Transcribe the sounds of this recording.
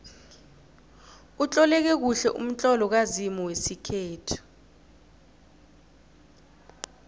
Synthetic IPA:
ut͡ɬʼɔlɛk̬ɛk̬uɬɛʔṵm̩t͡ɬʼɔlɔk̬azimɔwesikʰɛːtʰi̥

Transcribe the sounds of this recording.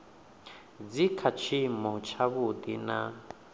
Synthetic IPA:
d͡zikʰat͡ʃʰimɔt͡ʃʰaβud̪ina̰

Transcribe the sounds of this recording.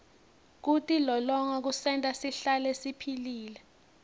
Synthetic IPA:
k̬utʼilɔlɔŋak̬usɛntʼasiɬalesipʰiliːlɛ

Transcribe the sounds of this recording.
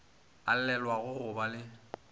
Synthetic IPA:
a̰l̩lɛlwaɣʊhʊbalɪ

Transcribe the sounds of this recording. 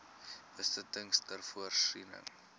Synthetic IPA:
bəstətəŋstərfuərsinə̰ŋ

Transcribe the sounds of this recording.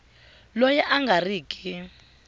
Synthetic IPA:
lɔjɛʔaŋɡʱariːkʼi

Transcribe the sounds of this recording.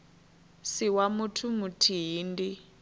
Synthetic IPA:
siwamutʰumutʰiɦndi

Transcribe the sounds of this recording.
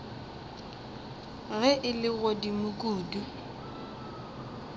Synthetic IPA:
ɣɛʔɪlɪɣodimʊkʼuːdu

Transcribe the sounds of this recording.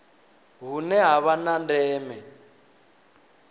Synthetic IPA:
ɦunɛɦaβanandɛːmɛ

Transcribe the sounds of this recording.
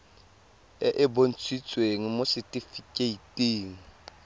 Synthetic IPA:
ɪʔɪbon̩t͡sʰʼwit͡sʼweŋ̩mosɪtʼifikʼeitʼiːŋ̩

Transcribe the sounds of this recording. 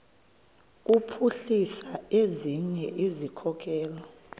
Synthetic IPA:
k̬upʰuɬisaeziɲɛʔizikʰɔk̬ʼɛːlɔ

